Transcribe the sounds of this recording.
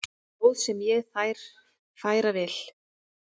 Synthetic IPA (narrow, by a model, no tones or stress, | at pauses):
owðsɛmjɛɣθajɾ̥ | faːjɾavɛl̥